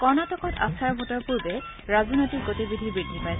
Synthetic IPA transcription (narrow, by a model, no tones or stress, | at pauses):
kɔɹnatɔkɔta̰saɹbʱɔtɔɹpubɛ | ɹazɔnojtik̚ɡotibidʱibɹidʱipaj